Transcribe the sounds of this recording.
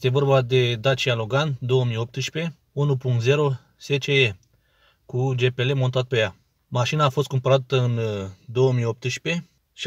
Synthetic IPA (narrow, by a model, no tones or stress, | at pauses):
est̪e̞vo̞rbad̪e̞d̪at͡ʃialoɡand̪o̞wəmijo̞p̚t̪ɨʃpe̞ | unupuŋkt̪ze̞ɾo̞ | se̞t͡ʃee | kud͡ʒe̞pe̞le̞mo̞nt̪at̪̚peja | maʃinaːfost̪̚kumpəɾat̪əɨnd̪o̞wəmijop̚t̪ɨʃpe̞ | ʃi